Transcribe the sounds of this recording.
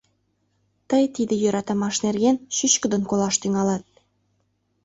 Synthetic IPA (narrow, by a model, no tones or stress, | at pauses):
t̪ɤjt̪id̪ĕjø̆ɾɑt̪ɑmɑʃnerɣenɕyɕkə̆d̪ə̆nkolɑʃt̪yŋɑlɑt̪̚